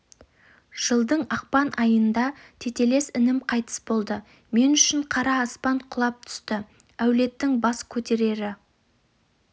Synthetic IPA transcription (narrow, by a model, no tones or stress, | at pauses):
ʒ̥əlˠd̪əɴɑq̚pɑnʔɑjənd̪ɑt̪ʰe̞t̪e̞le̞sɪnɪmqʰɑjt̪ə̥sbo̞lˠd̪ə | me̞nʏʃɪɴqʰɑɾɑːspɑɴqʰʊlˠɑp̚t̪ʰʏ̥st̪ɪ | æwle̞t̪ːɪŋbɑskʲʰɵt̪e̞ɾe̞ɾɪ